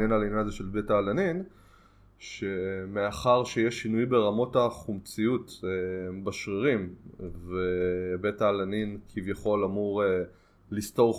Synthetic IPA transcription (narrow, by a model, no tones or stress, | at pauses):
jenalinanazeʃelbetaːlanin | ʃe̞meaχaʁʃejeʃinujbe̞ʁamo̞taχumt͡sijutebaʃʁiʁimvebe̞taːlaninkʰivjaχo̞lamuʁe | listo̞ʁ